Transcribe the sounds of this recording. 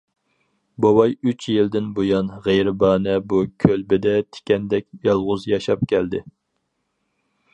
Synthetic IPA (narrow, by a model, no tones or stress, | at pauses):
bowɑjyt͡ʃʰjɪld̪ɪnbojɑnʁejɾɪbɑːnɛbukʲʰølbɪd̪ɛt̪ʰɪ̥kʲʰɛnd̪ɛkʲjɑlˠʁʊzjɑʃɑpkʲʰɛld̪ɪ